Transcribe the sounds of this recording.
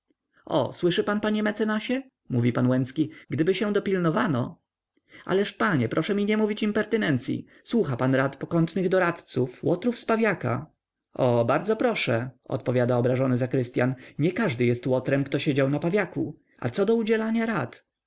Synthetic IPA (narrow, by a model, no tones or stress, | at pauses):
ɔ̰swɘʂɘpanpaɲɛmɛt̪sɛnaɕɛ | muvʲipanwɛnskʲiɡd̪ɘbɘɕɛ̃d̪ɔpʲilnɔvanɔ | a̰lɛʂpaɲɛpɾʔɔʂɛmʲiɲɛmuvʲit͡ɕimpɛɾt̪ɘnɛnt̪sʲjḭ | swuxapanɾat̪pɔkɔnt̪nɘɣd̪ɔɾat̪t̪sufwʔɔt̪ɾufspavʲjaka̰ | ɔbaɾd̪zɔpɾɔʂɛɔ̰t̪pɔvʲjad̪aɔbɾaʐɔnɘzakɾɘst̪ʲja̰nɲɛkaʐd̪ɘjɛst̪wɔt̪ɾɛmkt̪ɔɕed͡ʑawnapavʲjakṵ | a̰t̪sɔd̪ɔud͡ʑɛlaɲaɾat̪